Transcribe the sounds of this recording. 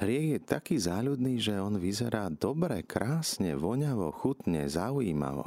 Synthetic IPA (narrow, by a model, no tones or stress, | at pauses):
ɦɾɪɛɣjɛt̪akiːzaːʎud̪niːʒɛɔnʋizɛɾaːd̪ɔbɾɛkɾaːsɲɛ̰ʋɔɲaʋɔxut̪ɲɛ̰zaujiːma̰ʋɔ̰